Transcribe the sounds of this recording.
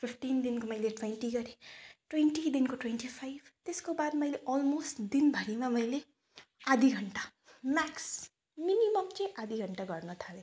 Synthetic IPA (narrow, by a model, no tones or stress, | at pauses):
pʰipʰʈind̪inkomʌjleʈweɳʈiɡʌɾẽʈwenʈid̪inkoʈwenʈipʰajbʱt̪eskobad̪mʌjleʔɔlmosʈd̪inbʱʌɾimamʌjle | ad̪ʱiɡʱʌɳʈamaks | minimʌmt͡sʌ̃jʔad̪iɡʱʌɳʈaɡʌrnʌt̪ʰale